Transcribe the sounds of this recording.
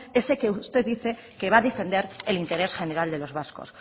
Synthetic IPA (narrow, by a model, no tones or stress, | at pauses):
e̞seke̞ust̪e̞ððiθe̞ | ke̞βaðe̞fe̞nd̪e̞ɾelint̪e̞ɾe̞sχe̞ne̞ɾald̪e̞lo̞zβasko̰s